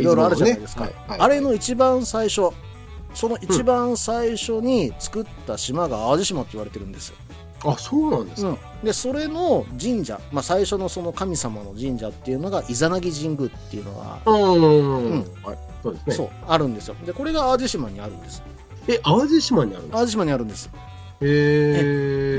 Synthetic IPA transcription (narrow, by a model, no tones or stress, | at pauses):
iɾo̞iɾoaɾɯ̟aneaid̪e̞sɨ̥ka̰ | aaɾe̞no̞it͡ɕibãɰ̃saiɕo̞ | so̞no̞ʔit͡ɕibãɰ̃saiɕo̞ɲ̟it͡sɨ̥kɯ̟t̪ːaɕimaɡaːβaʑiɕimat̪ːoiβaɾe̞t̪e̞ɾɯ̟̃nd̪e̞sɨjo̞̰ | asoːnãnd̪e̞ɯ̟̃ɴ | d̪e̞so̞ɾe̞no̞d͡ʑĩɲ̟d͡ʑa̰masaiɕono̞so̞no̞kamʲisamano̞ʑĩɲ̟d͡ʑat̪ːe̞iɯ̟no̞ɡaʔizanaɡʲiʑĩŋɡɯ̟t̪ːe̞̰iɯ̟no̞̰ɡa̰a | ɯ̟̃ɴha | soːd̪esneso̞̰ː | aɾɯ̟̃nd̪e̞sɨjo̞̰d̪e̞ko̞ɾe̞ɡaːʑiɕimaɲ̟iaɾɯ̟̃nd̪e̞sɨ̥ | eʔaʑiɕimaɲ̟ia̰ɾɯ̰̃ad͡ʑiɕ̬imaɲ̟iaɾɯ̟̃nd̪e̞sɨ̥ | ee